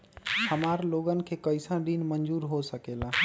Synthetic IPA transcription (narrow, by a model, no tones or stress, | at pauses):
həmaːɾloɡənɪ̆kʰekəɪsãɖiːnmənd͡ʒuːɾɦosəkelaː